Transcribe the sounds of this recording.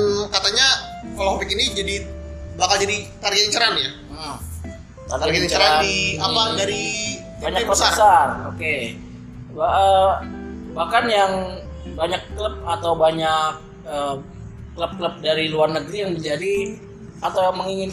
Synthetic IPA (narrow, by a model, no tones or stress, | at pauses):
kat̪aɲakaloapikinid͡ʒadibakald͡ʒadit̪arɡɛt̪iɲt͡ʃəɾanja | t̪aɡ̪aɡɛt̪t͡ʃəɾaandniamadaɾi | baɲakkləsbəsaroke | baʔə | bahkanjaŋbaɲakːləp̚at̪awbaɲak̚ | ə | ləp̚kləp̚daɾiluarnəɡɾijaŋdid͡ʒadi | at̪awməŋiŋɪn